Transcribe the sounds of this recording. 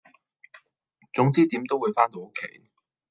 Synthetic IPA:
t͡sʊ˨˥ŋt͡siː˥t̪iː˨˥mt̪o˥wuː˨˧jfaː˥nt̪o˧wo˥kʰe˨˥j

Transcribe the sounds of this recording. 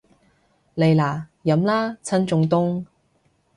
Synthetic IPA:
le˨jlaː˨˩jɐ˨˥mlaː˥t͡sʰɐ˥nt͡sʊ˧ŋt̪ʊ˥ŋ

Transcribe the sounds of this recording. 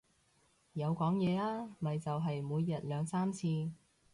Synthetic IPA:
jɐ˨˧wkɔː˨˥ŋjɛː˨˧aː˥mɐ˨jt͡sɐ˨wɦɐ˨jmuː˨˧jːɐ˨t̚lœː˨˧ŋsaː˥mt͡sʰiː˧

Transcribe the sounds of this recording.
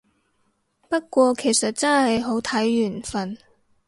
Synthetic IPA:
pɐ˥t̚kʷɔː˧kʰe˨˩jsɐ˨t̚t͡sɐ˥nhɐ˨jɦo˨˥wt̪ʰɐ˨˥jːyː˨˩nfɐ˨n

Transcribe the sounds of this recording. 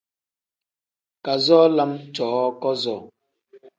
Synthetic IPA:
ka˨zɔː˦la˦mt͡ʃɔː˨˦ɔ˦kɔ˦zɔ˦˨

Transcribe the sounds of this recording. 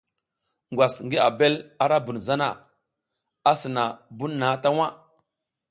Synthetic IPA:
ŋɡʷwa˨sŋɡi˦a˨be˦la˦ɾa˦bu˨nza˦na˨ | a˦sə˨na˨bu˦nː˦a˨˦ta˦wa˦

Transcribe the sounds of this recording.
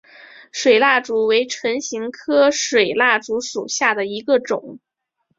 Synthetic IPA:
ʂwe˨˩ɪla˥˩ʈ͡ʂu˧˥we˧˥ɪʈ͡ʂʰə˧˥ŋɕi˧˥ŋkʰɤ˥ʂwe˨˩ɪla˥˩ʈ͡ʂu˧˥ʂṵ˨˩ɕja˥˩d̪ə˩i˧˥ɡə˧ʈ͡ʂʊ̰˨˩˦ŋ

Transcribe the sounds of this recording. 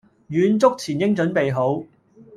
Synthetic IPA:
jyː˨˧nt͡sʊ˥k̚t͡sʰiː˨˩njɪ˥ŋt͡ʃɵ˨˥npe˨jɦo˨˥w

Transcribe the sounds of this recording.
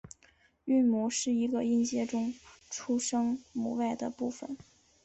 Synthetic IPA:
y˥˩nmu˧˥ʂɻ̩˥˩i˧˥ɡə˧i˥˧nt͡ɕjɛ˥ʈ͡ʂʊ˥ŋʈ͡ʂʰu˥ʂɤ˥ŋmṵ˨˧˥wa˥˩ɪd̪ə˩pu˥˩fə̰˨˩˦n

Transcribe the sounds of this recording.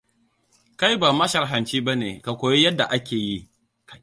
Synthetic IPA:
ka˦jbaː˨mɐ˦ʃɐ˨rɦɐ˨nt͡ʃiː˦ba˦nḛː˨ka˨kʷoː˨je˦jɐ˦dːa˨ʔa˦kʲʰeː˨ji˦ | ka˦

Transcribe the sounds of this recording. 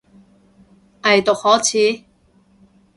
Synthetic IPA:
ʔɐ˨jt̪ʊ˨k̚hɔː˨˥t͡sʰiː˨˥

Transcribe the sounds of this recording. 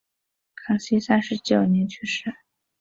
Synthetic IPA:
kʰɑ˨˩ŋɕi˥sa˥nʂɻ̩˧˥t͡ɕjo˨˩ʊnjɛ˧˥nt͡ɕʰy˥˩ʂɻ̩˥˩

